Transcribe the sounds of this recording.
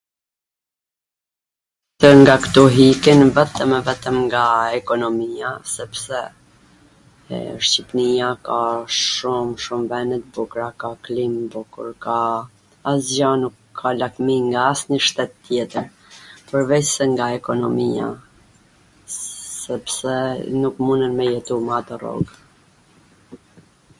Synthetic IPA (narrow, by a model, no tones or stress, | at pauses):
t̪əŋɡakt̪uɦikinvɛt̪əmɛvɛt̪əmŋɡaɛkɔnɔmijasɛpsɛ | ʃt͡ɕipnijakaʃumʃumvɛnət̪̚bukɾakaklimbukṵɾka | aszjanukʰːalakmiŋɡaːsɲəʃt̪ɛt̪ːjɛt̪əɾ | pəɾvɛcsɛŋɡaɛkɔnɔmia̰ | sɛpsɛnukmunənmɛjɛt̪umat̪ɔrɔ̰ɡ